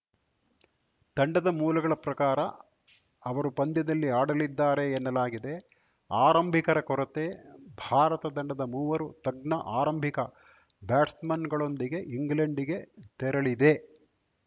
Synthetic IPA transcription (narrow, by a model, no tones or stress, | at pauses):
t̪ɐɳɖɐd̪ɐmuːlɐɡɐɭɐpɾɐkaːɾɐ | ɐʋɐɾupɐnd̪jɐd̪ɐlːiaːɽɐlid̪ːaːɾe̞ːnːɐlaːɡid̪e̞ | aːɾɐmbʱikɐɾɐkɔɾɐt̪ebʱaːɾɐt̪ɐd̪ɐɳɖɐd̪ɐmuːʋɐɾut̪ɐɡnɐʔaːɾɐmbʱikɐ | baːʈsmɐnɡɐɭo̞nd̪iɡe̞ʔiŋɡleɳɖiɡe̞t̪ɛɾɐɭid̪e̞